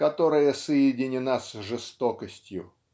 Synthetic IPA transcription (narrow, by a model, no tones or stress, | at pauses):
kɐt̪oɾəjəsəjɪdʲɪnʲɪnasʐɨst̪okəsʲtʲjʊ